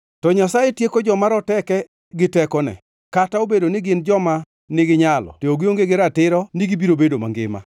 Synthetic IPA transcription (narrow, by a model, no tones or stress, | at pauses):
tɔɲasajetjekod͡ʒɔmaɾɔtɛkɛ | ɡɪtɛkɔnɛ̰ | kataobedonɪɡɪnd͡ʒɔma | nɪɡɪɲalɔ̰teoɡɪoŋɡeɡɪɾatɪɾɔniɡibiɾobedoma̰ŋɡɪ̰ma̰